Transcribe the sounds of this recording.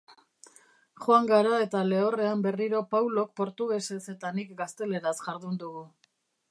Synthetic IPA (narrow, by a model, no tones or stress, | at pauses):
χoaŋɡaɾae̞t̪ale̞ore̞ambe̞riɾo̞pawlo̞k̚po̞ɾt̪uɣe̞se̞se̞t̪anikɡast̪e̞le̞ɾasʝaɾðund̪uɣu